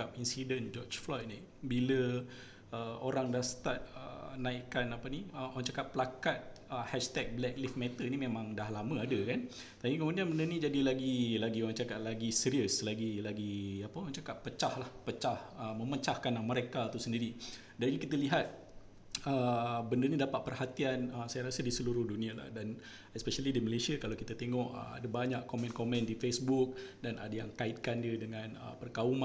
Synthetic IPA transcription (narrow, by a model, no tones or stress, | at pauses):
ap̚insidənd͡ʒɔt͡ʃflɔjt̪̚ni | bilə | əoɾaŋdasə̥t̪at̪̚ə̰naikːanapaniəoɾaŋt͡ʃakaʔ̪̚pːəlakat̪̚əhɛʃt̪ɛk̚blɛk̚lifmɛt̪ənimẽmãŋdaɦlamə̃adəkan | t̪apikəmũndianbəndənid͡ʒadilaɡilaɡioɾaŋt͡ʃakaʔ̪̚laɡisiɾiəslaɡilaɡiapaoɾaŋt͡ʃakat̪̚pət͡ʃahlahpət͡ʃahəmə̃mət͡ʃahkanaŋməɾekat̪usəndiɾi | dainikit̪əliɦat̪̚ | əbəndənidapat̪̚pərhat̪ianəsajaɾasədisəluɾʊhdunĩala̰hdan | ɛspesalidiməlesiakalawkit̪at̪eŋɔʔə̰a̰dabaɲaʔkomɛ̃nkomɛ̃ndifesbuk̚dana̰dajaŋkaɪt̪̚kandiədəŋãnə̰pərkauma